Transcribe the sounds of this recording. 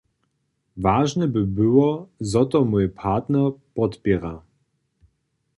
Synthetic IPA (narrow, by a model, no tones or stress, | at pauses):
vaːʒnɛbɨbɘwɔzɔt̪ɔmujpʰat̪nɛpɔt̪pʲjɛʁa